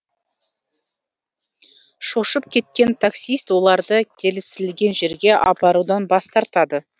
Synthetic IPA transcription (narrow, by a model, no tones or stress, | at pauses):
ʃo̞ʃəp̚kʲʰe̞t̪̚kʲe̞nt̪ʰaksijst̪wo̞lˠɑɾd̪əkʲʰe̞lɪsɪlɡʲe̞nʒe̞ɾɡʲe̞ʔɑpɑɾud̪ɑnbɑst̪ɑɾt̪ɑd̪ə